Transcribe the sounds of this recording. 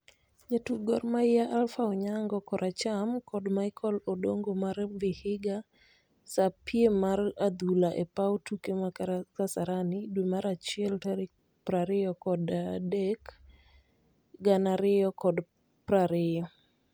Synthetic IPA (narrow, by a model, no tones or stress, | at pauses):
d͡ʒatuɡɔrmaɪjaʔalfaɔɲaŋɡɔkɔɾʔat͡ʃamkɔdmaɪkʰɔlodoŋɡomarvɪhɪɡa | sapjemarad̪ulaʔɛpawtukemakasaɾanɪdwemaɾat͡ʃɪɛltaɾɪ | pɾaɾɪjɔkɔdadɛk | ɡanaɾɪjɔkɔd | pɾaɾɪjɔ